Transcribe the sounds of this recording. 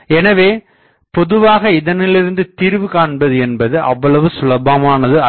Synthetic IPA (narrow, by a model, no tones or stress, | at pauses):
ɛnɐʋeː | pɔðɯʋaːɣɐɪðɐnɪlɪɾɯnd̪ɯt̪iːɾʋɯkaːɳbɐðɯɛnbɐðɯʔɐ̰ʋːɐɭɐʋɯsʊlɐbɐmaːnɐðɯɐ